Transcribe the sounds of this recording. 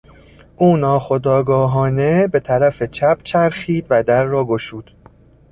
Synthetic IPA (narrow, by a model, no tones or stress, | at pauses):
ʔuːnɒːxo̞d̪ɒːɡɒːɦɒːne̞be̞t̪ʰæɾæfe̞t͡ʃʰæb̥t͡ʃʰæɾxiːd̪væd̪æɾːɒːɡoʃuːd̪̥